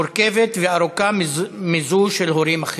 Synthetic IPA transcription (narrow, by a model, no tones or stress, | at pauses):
oɾke̞vet̪veaɾukamizuʃelɦoɾimaχ